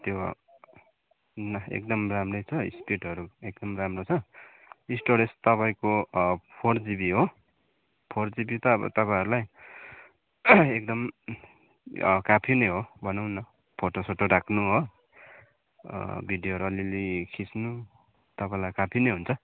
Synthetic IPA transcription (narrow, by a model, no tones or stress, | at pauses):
t̪jo̰ | nʌḛk̚d̪ʌmramrʌjt͡sʰʌḭspiʈʌɾuekd̪ʌmramrot͡sʰʌ | isʈoɾest̪ʌpaĩkopʰord͡zibiɦo | pʰord͡zibit̪ʌʌ̰t̪ʌpaj̃ɦʌɾulaj | ekd̪ʌm | kapʰinʌjɦobʱʌnʌwnʌ | pʰoʈosoʈoɾakʰnuɦo | bʱiɖjoɦʌɾuʌlilikʰit͡snu | t̪ʌpaĩlajkapʰinʌjɦunt͡sʰʌ